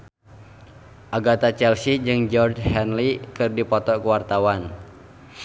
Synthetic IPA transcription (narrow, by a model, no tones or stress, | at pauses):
ʔaɡat̪at͡ʃɛlsid͡ʒɨŋd͡ʒɔrd͡ʒhɛnlikɨrdipɔt̪ɔkuwart̪awan